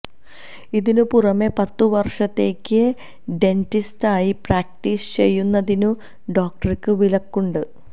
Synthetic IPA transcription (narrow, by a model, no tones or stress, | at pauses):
iðinupurɐme̞pɐt̪ːuʋɐrʂɐt̪ːe̞ːkʲːɨ | ɖe̞ntistaːjipraːk̚ʈiːst͡ɕe̞̰jːunːɐðinu | ɖo̞ːk̚ʈɐrkʲːɨʋilɐkːuɳɖɨ